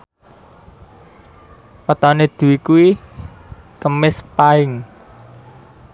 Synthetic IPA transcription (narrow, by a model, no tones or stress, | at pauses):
pət̪aned̪̥ṳwikuwi | kəmɪspaɪŋ